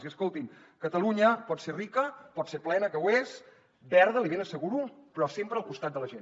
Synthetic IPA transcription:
ziəskolˠt̪iŋ | kət̪əluɲəpɔt̪serikəpɔt̪seɾplɛnəkəwes | bɛɾðəliβenəsəɣuɾupɾɔsempɾəlˠkust̪at̪d̪ələʒen

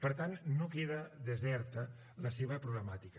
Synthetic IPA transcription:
pəɾt̪annokeðəðəzɛɾt̪ə | ləseβəpɾuɣləmat̪ik

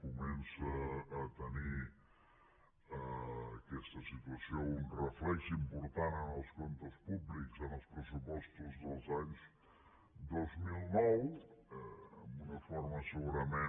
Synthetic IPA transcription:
kumɛnsəːt̪əni | əkɛst̪əsit̪uəsiounrəflɛʒimpuɾt̪anənəlˠskont̪əspublikzənəlˠspɾəsupɔst̪uzðəlˠzaɲz | d̪ozmilˠnɔwəəmbunəfoɾməsəɣuɾəme

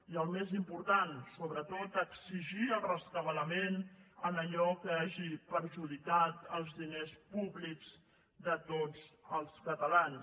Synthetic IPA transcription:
iəlˠmezimpuɾt̪ansoβɾət̪ot̪əksiʒiəlrəst̪əβələmenənəʎɔkəaʒipəɾʒuðikat̪əlˠzðinespuβlikz̥ | d̪ət̪od͡zəlˠskət̪əlan

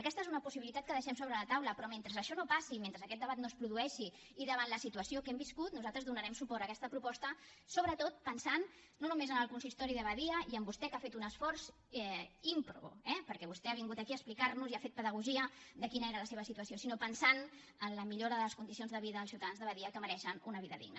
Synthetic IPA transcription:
əkɛst̪əezunəpusiβilit̪at̪kəðəʃɛmsoβɾələt̪awləpɾɔment̪ɾəzəʃɔnopasiment̪ɾəzəkɛt̪̚d̪əβat̪nospɾuðuɛʃi | iðəβanləsit̪uəsiokɛmbiskut̪nuzalˠt̪ɾəzðunəɾɛmsupɔɾəkɛst̪əpɾupɔst̪əsoβ̞ɾət̪ot̪̚pənsanː | onumezənəlˠkunsist̪ɔɾiðəβəðiəiəmbust̪ɛkafet̪unəsfɔɾz | ɛimpɾṵɛpəɾkɛβ̞ust̪ɛaβiŋɡut̪əkiəsplikaɾnuziafet̪̚pəðəɣuʒiəd̪əkinəeɾələseβ̞əsit̪uəsijosinopənsan | ənləmiʎoɾəðələskund̪is̬ionzðəβiðəəlˠsiuwt̪aðanzðəβəðiəkəməɾɛʃənunəβiðəðḭɡnə̰

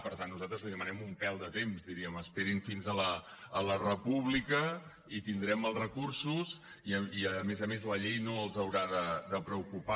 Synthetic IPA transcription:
pəɾt̪anːuzat̪ɾəzliðəmənɛmumpɛlˠd̪ət̪emzd̪iɾiəməspeɾinfinzələː | lərəpuβ̞likə | it̪ind̪ɾɛməlˠrəkursus | iiəmezəmezləʎejnoəlˠzəwɾaðəðəpɾəukupa

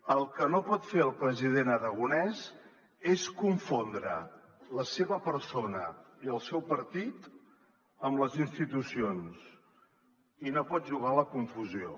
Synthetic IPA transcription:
əlˠkənopɔt̪feɾəlˠpɾəziðenəɾəɣ̞unɛz | eskuɱfond̪ɾə̰ | ləseβəpəɾsonəiəlˠsɛwpəɾt̪it̪ | əmləzinst̪it̪usions | inopɔt̪̚ʒuɣ̞aləkuɱfuzio

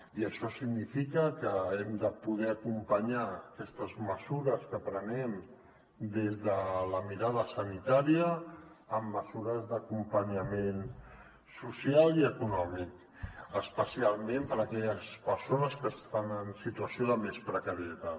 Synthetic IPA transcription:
iəʃɔsiɡnifikəkəɛmd̪əpuð̞ɛəkumpəɲaəkɛst̪əzməzuɾəskəpɾənɛm | d̪ezðələmiɾaðəsənit̪aɾiəː | mːəzuɾəzðəkumpəɲəmen | susialˠiəkunɔmik | əspəsialˠmẽmpəɾəkɛʎəspəɾsonəskəst̪anənsit̪uəsioðəmespɾəkəɾiət̪a

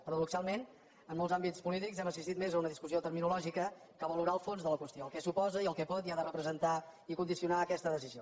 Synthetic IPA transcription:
pəɾəðuksalˠmen | ənmolˠzambit͡spulit̪ikzɛməsist̪it̪mezəunəðiskusiot̪əɾminulɔʒikə | kəβəluɾaəlˠfonzðələkwəst̪ioəlˠkɛsupɔzəiəlˠkɛpɔt̪iaðərəpɾəzənt̪aikund̪isiunaəkɛst̪əðəsizio

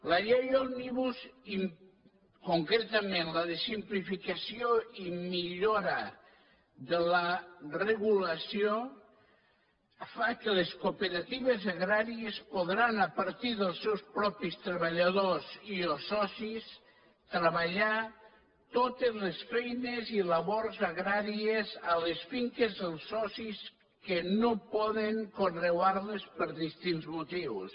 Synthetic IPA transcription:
laʎejolˠniβuzi | koŋkɾet̪amẽnlaðesimplifikasjoimiʎoɾa | ðəlareɣulasjo | fakeleskopeɾat̪iβezaɣɾaɾiespuðɾanəpəɾt̪iðəlˠsɛwspɾɔpist̪ɾəβəʎaðoziəlˠsɔsis | t̪ɾəβaʎa | t̪ot̪ezlesfɛjnezilaβoɾzaɣɾaɾiezaləsfiŋkezðəlˠsɔsis | kənopɔðeŋkonrewaɾlespəɾðist̪inzmut̪iws

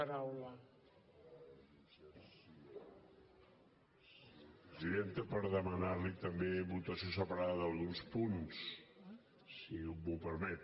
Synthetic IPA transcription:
əɾawlə | pɾəziðent̪əpəɾðəmənaɾlit̪əmbeβut̪əsiosəpəɾaðəðəlˠɣunspuns | siubupəɾmɛt̪

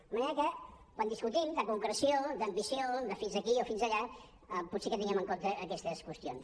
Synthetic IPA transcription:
d̪əməneɾəkə | kwand̪iskut̪imd̪əkuŋkɾəsiod̪əmbisioðəfinzəkiofinzəʎa | put̪sekət̪inɡɛməŋkont̪əʔːkɛst̪əskwəst̪jons

